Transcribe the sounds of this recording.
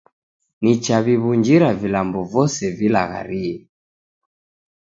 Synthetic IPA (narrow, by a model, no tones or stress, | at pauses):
nit͡ʃaβiβuɲd͡ʒiɾavilambɔvɔsɛvila̰ɣa̰ɾiɛ